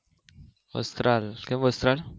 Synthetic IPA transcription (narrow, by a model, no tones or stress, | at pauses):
ʋə̰st̪ɾalkɛ̃mʋəst̪ɾal